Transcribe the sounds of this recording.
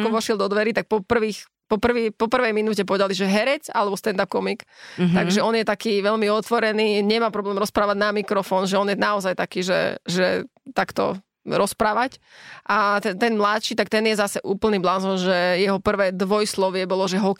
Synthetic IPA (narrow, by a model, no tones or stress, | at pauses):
kɔʋɔʃɪɛlˠd̪ɔd̪ʋɛɾit̪ak̚pɔpr̩ʋiːx | pɔpr̩ʋiːpɔpr̩ʋɛjminuːcɛpɔʋɛd̪aliʒɛɦɛɾɛt͡sa̰lɛbɔst̪ɛnd̪ap̚kɔmikt̪aɡʒɛɔnjɛt̪akiːʋɛʎmiɔt̪ʋɔɾɛniːɲɛmaːpɾɔblɛːmɾɔspɾaːʋaɟnamikɾɔfɔːnʒɛɔnjɛnaɔzajt̪akiːʒɛ̰ʒɛ̰t̪akt̪ɔ̰ | ɾɔspɾaːʋacʔat̪ɛnt̪ɛnmlat̪ʃiːt̪akt̪ɛnjɛzasɛʔuːpl̩niːblanzɔnʒɛjɛɦɔpr̩ʋɛːd̪ʋɔjslɔʋɪɛbɔlɔʒɛɦɔk